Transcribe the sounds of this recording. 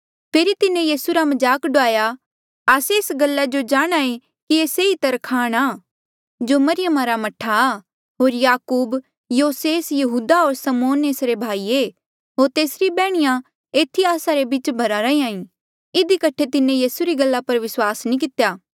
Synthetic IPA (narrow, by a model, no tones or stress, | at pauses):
pʰeːɾit̪ɪnẽjiːsuɾamɐd͡ʒaːkɖʊaːja | aːseɪsɡɐlːad͡ʒod͡ʒaːɽ̃aːẽ | kieːseit̪ɐɾkʰaːɽ̃aː | d͡ʒomɐɾɪjəmaɾamɐʈʰːa | ɦoːɾjaːkuːb | joːseːsjɐɦuːd̪aɦoːɾsɐmoːneːsɾebʱaːiːe | ɦoːɾt̪eːsɾibɛːɽ̃ɪjã | eːt̪ʰiaːsaɾebɪt͡ʃbʱɐɾaɾɐĩãːĩ | ɪd̪ikɐʈʰet̪ɪnẽjiːsuɾiɡɐlːapɐɾʋɪswaːsnĩkɪt̪ejaː